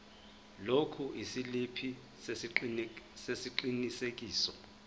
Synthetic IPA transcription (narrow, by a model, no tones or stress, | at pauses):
lokʰuʔisilipʰi | sesiǃinisek̬ʼiːsɔ